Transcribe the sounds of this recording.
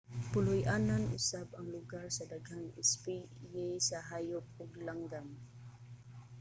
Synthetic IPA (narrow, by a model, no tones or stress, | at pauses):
pʊlʊjʔananʔʊ̰sabaŋlʊɡaɾsad̪aɡhaŋɪspijɛsaɦajʊp̚ʊɡlaŋɡam